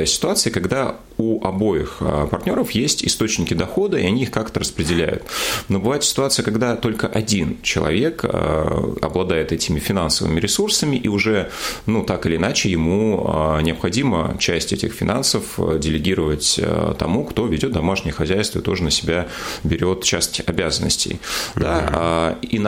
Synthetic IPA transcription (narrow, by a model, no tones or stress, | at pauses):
sʲɪ̥t̪ʊat̪sɨjəkɐɡd̪a | uʔɐbo̞jɪxpɐrtʲnʲo̞ɾəfjesʲtʲɪ̰st̪o̞t͡ɕnʲɪkʲɪd̪ɐxo̞d̪əiɐnʲiixkakt̪əɾəspɾʲɪdʲɪlʲæ̰jʊ̰t̪nobɨvajɪt̪sʲɪ̥t̪ʊat̪sɨjəkɐɡd̪at̪o̞lʲkəʔɐdʲint͡ɕɪlˠɐ̰vʲe̞k | ɐ̰blˠɐd̪ajɪt̪ɛtʲɪmʲɪfʲɪnansəvɨ̰mʲɪɾʲɪsursəmʲɪʔiʊʐɛnut̪akɨɪlʲɪnat͡ɕɪjɪmunʲɪɐpxɐdʲimə̰t͡ɕæsʲtʲɛtʲɪxfʲɪnʔansəfdʲɪlʲɪɡʲiɾəvətʲt̪ɐ̰mukt̪o̞vʲɪdʲo̞t̪d̪ɐmaʂnʲɪjəxɐzʲæjst̪vəɪt̪o̞ʐənəsʲɪbʲabʲɪɾʲo̞t̪t͡ɕæsʲtʲɐbʲæzənːə̰sʲtʲɪ̰jd̪a | in